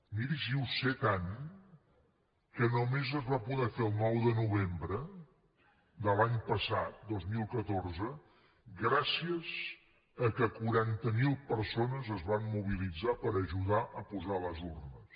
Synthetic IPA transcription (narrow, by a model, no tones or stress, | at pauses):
miɾisiuset̪an | kənumezəzβapuðɛfeəlˠnɔwðənuβembɾə | d̪əlaɲpəsat̪̚d̪ozmilˠkət̪orzə | ɡɾasiəz | əkəkuɾant̪əmilˠpəɾsonəzəzβammuβ̞ilid͡zapəɾəʒuðaʔəpuzaləzurnəs